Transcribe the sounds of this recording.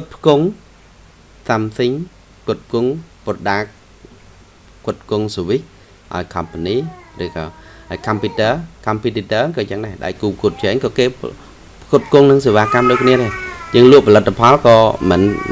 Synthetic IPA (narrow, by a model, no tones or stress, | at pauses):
kʊt̪̚pʰə̥kuŋ | samsiŋ | kʊət̪̚p̚ʰkuŋprɗaːk̚ | kʊ̆ət̪̚p̚ʰkʊŋsoʋih | ʔa̰ɔjkʰɑmpaniːrɨːkɑːhaɔjkʰampjut̪əːkʰɑmpjut̪it̪əːkɑːt͡ɕəŋnaɛɗa̰ɛjkuːpʰkuət̪̚ʰt͡ɕɛːŋkɑːkeː | pʰkut̪̚pʰkuŋnɨŋseːʋaːkamɗoːc̚kʰniəɗajəːŋluəʔpʰɑlɨt̪ʰːapʰɑlkɑːmɨ̰n